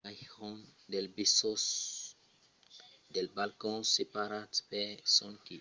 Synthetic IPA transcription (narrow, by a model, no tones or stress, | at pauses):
aɔ̃nd̪ɛlbisos | d̪ɛlbalkɔ̃sepaɾat̪pɛsɔ̃nki